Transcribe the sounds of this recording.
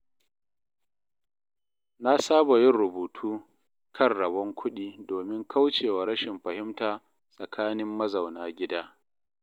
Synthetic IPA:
na˦saː˦ba˨jɪ˦nɾʊ˨buː˨tʰuː˦ | kʰɐ˦˨rɽɐ˨bɐ˦ŋkʷʰʊ˦ɗiː˦doː˨mɪ˦ŋkʰa˦wt͡ʃeː˨waː˨ɾɐ˦ʃɪ˨mɸɐ˨hɪ˦mtaː˨ | sʼɐ˨kʰaː˦nɪ˦mːɐ˦zɐ˨wnaː˦ɡʲɪ˦daː˦

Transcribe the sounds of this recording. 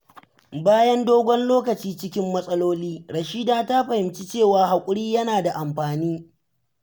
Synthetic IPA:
baː˦jɐ˦ndoː˦ɡʷɔ˦nloː˦kɐ˨t͡ʃiː˦t͡ʃɪ˦kʲɪ˦mːɐ˦sʼɐ˦loː˦liː˦ɽɐ˨ʃi˦daː˦ta˦ɸɐ˨hɪ˨mt͡ʃi˦t͡ʃeː˦˨waː˨ɦa˨kʷʼʊ˦ɽiː˦jɐ˦naː˨da˨ʔa˨mɸaː˨niː˦

